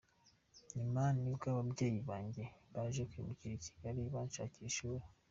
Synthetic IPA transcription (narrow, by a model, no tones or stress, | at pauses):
ɲimanibɡaβabɟe̞ːjiβaːɲɟeβaʒekwimuciɾici̥ɡ̥aɾiβaːnʃa̰ːciʃewo